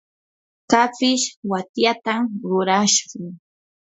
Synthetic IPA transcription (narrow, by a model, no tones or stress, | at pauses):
kapɪʃwat̪jat̪amɾʊɾaʃɢʊŋ